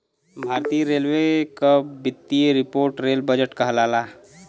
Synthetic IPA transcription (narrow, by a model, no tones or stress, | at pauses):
bʱaːɾt̪ijəɾeːlwekabɪt̪ːijeɾɪpoːɾʈɾeːlbəd͡ʒəʈkəɦlaːla